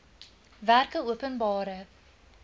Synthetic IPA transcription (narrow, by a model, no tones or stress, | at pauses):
værkəuəpənbɑːɾə